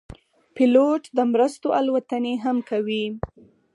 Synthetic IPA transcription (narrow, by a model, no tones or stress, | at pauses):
pɪloʈd̪əmɾəst̪oʔalwat̪əneɦamkawi